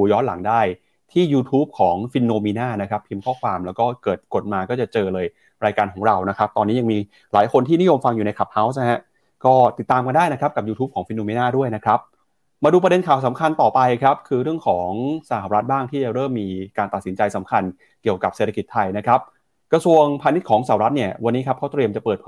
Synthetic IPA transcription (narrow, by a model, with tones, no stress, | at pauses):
u˨˩jɔː˦˥nla̰˩˦ŋdaː˥˩j | t̪ʰiː˥˩juː˧t̪ʰuː˦˥p̚kʰɔː˩˦ŋfi˧nːoː˧miː˧naː˥˩na˦˥kʰɾa˦˥pʰːi˧mkʰɔː˥˩kʰwaː˧mlɛː˦˥wkɔː˥˩kɤː˨˩t̪̚ko˨˩t̪̚maː˧kɔː˥˩t͡ɕa˨˩t͡ɕɤː˧lɤː˧j | ɾaː˧jkaː˧nkʰɔː˩˦ŋɾa˧wna˦˥kʰa˦˥p̚t̪ɔː˧niː˦˥ja˧ŋmiː˧ | laː˩˦jkʰo˧nt̪ʰiː˥˩ni˦˥jo˧mfa˧ŋjuː˨˩na˧jkʰa˨˩p̚ha˦˥wsn˦ɦɛ˦˥ | kɔː˥˩t̪i˨˩t̪ːaː˧mka˧ndaː˥˩jna˦˥kʰɾa˦˥p̚ka˨˩p̚juː˧uː˦˥p̚kʰɔː˩˦ŋfi˧noː˧miː˧naː˥˩du˥˩əjna˦˥kʰɾa˦˥p̚ | maː˧duː˧pɾa˧de˧nkʰaː˨˩wsa˩˦mkʰa˧nt̪ɔː˨˩pa˧jkʰɾa˦˥p̚kʰɯː˧ɾɯ˥˩əŋkʰɔː˩˦ŋsa˧˩haː˧ɾa˦˥t̪̚baː˥˩ŋt̪ʰiː˥˩t͡ɕa˨˩ɾɤː˥˩mːiː˧kaː˧nt̪a˨˩t̪si˩˦nt͡ɕa˧jsa˩˦mkʰa˧n | ki˨˩əwka˨˩pse˨˩t̪ʰa˧ki˨˩t̪ʰːa˧jna˦˥kʰɾa˦˥p̚ | kɾa˧su˧əŋpʰaː˧ni˦˥t̪̚kʰɔː˩˦ŋsa˧˩ha˨˩ɾa˦˥t̪̚ni˥˩ɐwa˧nːiː˦˥kʰa˦˥kʰa˦˥t̪ɾi˧əmt͡ɕa˨˩pɤː˨˩t̪̚ʰː